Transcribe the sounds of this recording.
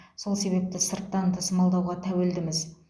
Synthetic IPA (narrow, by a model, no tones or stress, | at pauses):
so̞lˠse̞βe̞p̚t̪ɪsəɾt̪ːɑnt̪ʰəsəmɑlˠd̪ɑwʁɑt̪ʰæwe̞ld̪ɪmɪz